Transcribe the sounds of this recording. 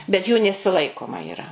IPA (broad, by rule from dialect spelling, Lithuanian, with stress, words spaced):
bʲɛt juː nʲɛsʲɪˈlˠɐɪkoːmɐ iːˈrɐ